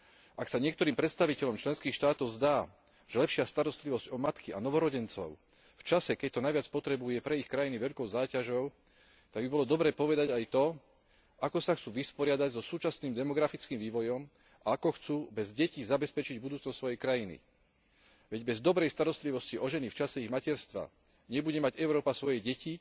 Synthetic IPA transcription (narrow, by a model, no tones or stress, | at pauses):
ʔaksaɲɪɛkt̪ɔɾiːmpɾɛt̪st̪aʋicɛʎɔmt͡ʃlɛnskiːxʃt̪aːt̪ɔʊzd̪aː | ʒ̥ɛlɛpʃɪast̪aɾɔst̪liʋɔzɟɔmat̪kianɔʋɔɾɔɟɛnt͡sɔ̰ʊ | ft͡ʃasɛkɛct̪ɔnajʋɪat͡spɔt̪ɾɛbujɛpɾɛixkɾajiniʋɛʎkɔʊzaːcaʒɔʊ | t̪aɡbibɔlɔd̪ɔbɾɛːpɔʋɛd̪aɟajt̪ɔ | akɔsaxt͡suːʋispɔɾɪad̪aɟzɔsuːt͡ʃasniːmd̪ɛmɔɡɾafit͡skiːmʋiːʋɔjɔm | aakɔxt͡suːbɛzɟɛcizabɛspɛt͡ʃiɟbud̪uːt͡snɔst̪ːsʋɔjɛjkɾajinḭ | ʋɛɟbɛzd̪ɔbɾɛjst̪aɾɔst̪liʋɔsciɔʒɛnift͡ʃasɛiɣmacɛɾst̪ʋa̰ | ɲɛbuɟɛmaɟɛʊɾɔːpasʋɔjɛɟɛci